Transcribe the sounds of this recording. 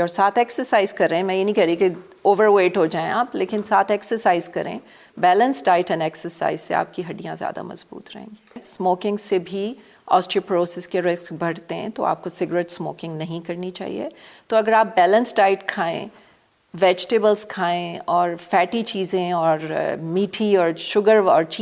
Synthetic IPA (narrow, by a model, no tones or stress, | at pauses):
ɔːɾsaːt̪ʰɛksəɾsaːɪzkɐɾːɛɦɛ̃mɛ̃jenɐɦĩkɛɦɾĩke | oːʋəɾweːʈɦod͡ʒaːḛ̃aːpleːkɪnsaːt̪ʰɛːksəɾsaːɪzkɐɾḛ̃ː | bɛːlə̃nsɖaːɪʈɐ̃nɛːksəɾsa̰ːɪzsea̰ːp̚kiɦɐɖijãzja̰ːd̪a̰mɐ̰zbṵːt̪ɾɐ̰ɦḛ̃ːɡiːsmoːkɪ̃ŋɡsebʱi | ɔ̰ːsʈɾəpɾoːsɛskeɾɪskbʱɐɽt̪eɦɛ̰̃t̪o̰ʔa̰ːp̚kosɪɡɾeʈsmo̰ːkɪ̃ŋɡnɐɦĩkɐɾnit͡ʃa̰ːɦḭḛt̪oɐɡəɾaːp̚bɛːlə̃nsʈaːɪʈkʰaːḛ̃ | ʋɛːd͡ʒʈeːbəlzkʰaːẽɔːɾfɛːʈit͡ʃiːzẽɔːɾmiːʈʰiɔːɾʃʊɡəɾɔːɾt͡ʃː